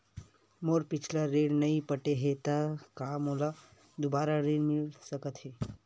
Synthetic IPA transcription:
moːɾpɪt͡ʃʰlaɾeːɽnɐĩpəʈeɦet̪akaːmola | d̪ʊbaːɾaɾeːɽmɪlsəkət̪ɦeː

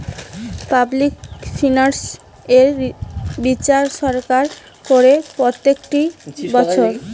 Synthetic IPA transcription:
pablik̚finaɾs | e | bit͡ɕaɾʃɔɾkaɾ | koɾepɾot̪ːekʈibɔt͡ɕʰoɾ

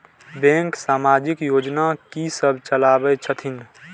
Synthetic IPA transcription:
bẽŋksaːmaːd͡ʒɪkjoːd͡ʒnakisəbʱt͡ʃəlaːbət͡ʃʰət̪ʰɪn

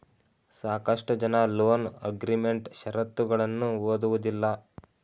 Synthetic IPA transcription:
saːkɐʂʈɐd͡ʒɐnɐloːnɐ̰ɡɾime̞ɳʈʃɐɾɐt̪ːuɡɐɭɐnːuoːd̪uʋud̪ilːɐ

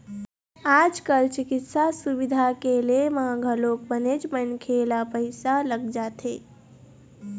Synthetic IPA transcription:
aːd͡ʒkəlt͡ʃɪkɪt̪sasubid̪ʱakelemaɡʱəloːk̚bənet͡ʃmənkʰelapəɪsaləɡd͡ʒaːt̪ʰe

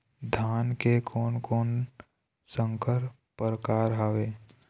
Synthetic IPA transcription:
d̪ʱaːnkekʰoːnkoːn | sə̃ŋkəɾ | pəɾkaːɾɦaːʋeː

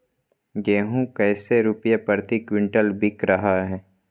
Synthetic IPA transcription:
ɡeːɦũkɛːseɾʊpjapəɾt̪ikwɪ̃ɳʈəlbɪkɾɐɦaɦɛː

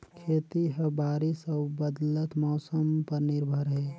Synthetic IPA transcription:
kʰeːt̪iɦəbaːɾisəbəd̪lət̪mɔːsəmpəɾnɪɾbʱəɾɦeː

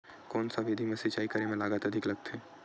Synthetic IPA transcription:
kɔːnsaʋed̪ʱimẽsɪt͡ʃaːikɐɾemẽlaːɡət̪ɐd̪ʱɪklɐɡ̚t̪eː

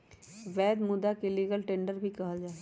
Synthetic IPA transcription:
ʋɛːd̪mʊd̪akeliːɡəlʈẽːɳɖəɾbʱikɐɦəd͡ʒaːe

